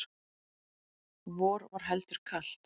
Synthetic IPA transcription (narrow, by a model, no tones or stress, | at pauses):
vɔːɾvaɾ̥ɦɛlt̪ʏɾ̥kʰalt̪